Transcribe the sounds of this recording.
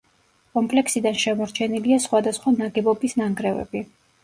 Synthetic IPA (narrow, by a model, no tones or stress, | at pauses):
kʼɔmpʼlɛksid̪anʃɛmɔɾt͡ʃʰɛniliasχwad̪asχwanaɡɛbɔbisnaŋɡɾɛvɛ̰bi